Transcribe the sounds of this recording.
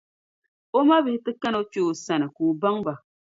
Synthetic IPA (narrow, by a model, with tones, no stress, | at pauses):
o˦ma˦bɪ˦hɪ˦tɨ˦ka˦no˦t͡ʃo˦˨sa˨nɨ˨kuː˨ba˦ŋba˨